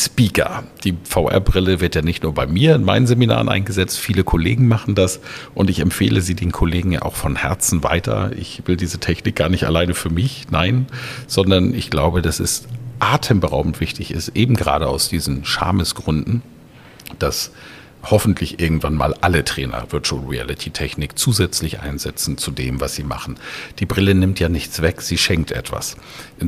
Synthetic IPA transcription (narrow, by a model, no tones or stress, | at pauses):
spiːkʰɐ̰d̥iːfaʊʔɛ̰ɐbʁɪləvɪɐtjaːnɪçtnuːɐbaɪmiːɐɪnmaɪnənzemina̰ːʁənʔa̰ɪnɡəzɛt͡stfiːləkʰolḛːɡŋ̩maχn̩d̥asʔʊntɪçɛmpfeːlʔəziːdeːnkʰoleːɡŋ̩ja̰ʔa̰ʊxfɔnhɛɐt͡sn̩va̰ɪtʰɐ̰ʔɪ̰çv̥ɪldiːzətʰɛçnɪk̚ɡ̥aːɐnɪçta̰laɪnəfyːɐmɪçnaɪnnz̥ɔndɐnɪçɡ̥laʊbədasɛstʔaːtʰəmbəʁaʊbm̩tv̥ɪçtɪçɪ̰stʔeːbm̩ɡəʁa̰ːɾəaʊsd̥iːzn̩ʃa̰ɐməsɡ̥ʁʏndn̩ | d̥as | hɔfn̩tʰlɪçʔɪɐɡŋ̩tv̥anma̰ːlʔalətʁ̥ɛːnɐ̰vɪɐtulʁiɛ̰lɪtʰitʰɛçnɪkt͡suːzɛt͡slɪçʔa̰ɪnzɛt͡sn̩t͡sudeːmvasz̥iːma̰χn̩d̥iːbʁɪlənɪmtjaːnɪçt͡sv̥ɛkz̥iːʃɛŋk̚tʔɛ̰tv̥a̰s | ʔ